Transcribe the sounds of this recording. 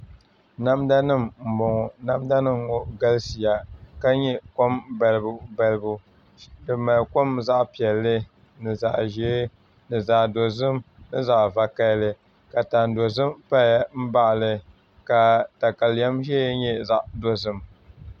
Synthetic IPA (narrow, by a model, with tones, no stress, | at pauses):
na˦mda˦nɨ˦˨mm̩˨bɔ˨ŋɔ˨na˦mda˦nɨ˦m˨ŋo˨ɡa˦lsi˨ja˨ka˦ɲɛ˦ko˦mba˨lɨ˨bʊ˨ba˨lɨ˨bʊ˨ | dɨ˨ma˨lko˦mza˦ʔpi˨ɛ˨lːɨ˦ | nɨ˨za˨ʔʒɛː˦ | nɨ˨zaː˨do˨zɨ˦mnɨ˦za˨ʔva˨ka˦lɨ˦ | ka˨ta˨n˨do˨zɨ˦mpa˦a˦m̩˦ba˦ʔlɨ˨ | ka˨ta˨ka˨lja˦mʒɛ˦ɲɛ˦za˨ʔdo˦zɨ˦m